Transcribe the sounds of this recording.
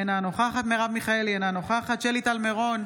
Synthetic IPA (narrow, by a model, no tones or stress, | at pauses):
enanoχaχat̪meʁavmiχaelenanoχaχat̪ʃelit̪almeʁo̞n